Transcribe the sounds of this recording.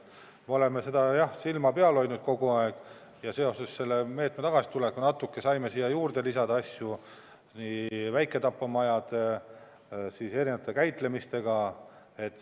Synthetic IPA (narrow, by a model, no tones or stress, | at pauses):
meole̞mese̞d̪̥ɑjɑhsilmɑpeɑlo̞jnud̪̥̚ko̞ɡuɑeɡ̥ | jɑse̞o̞se̞sːe̞lːeme̞ːt̪met̪ɑɡ̥ɑsi̥t̪ulekːˑunɑt̪ːˑukːe̞sɑjme̞siːjːɑjuːrd̪e̞lisɑd̪ɑɑsʲju | nivæjkːˑe̞t̪ɑpːˑɑmɑjɑd̪̥ | siːse̞ɾinɑt̪ːˑekæjt̪le̞mist̪e̞ɡ̥ɑ | e̞t̪ːˑ